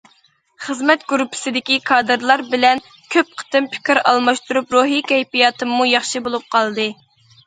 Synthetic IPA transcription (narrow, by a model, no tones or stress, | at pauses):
χəzmɛt̪̚ɡuɾupʰːɪ̥sɪd̪ɪkʲikʰɑːd̪ɨɾlˠɑɾbɪlɛn | kʲʰøp̚qʰə̥t̪ɨmpʰɪ̥kʲiɾɑ̰lˠmɑʃt̪uɾupɾoɦikʲɛjpijɑːt̪ʰɨmːujɑχʃibolˠup̚qʰɑlˠd̪ɨ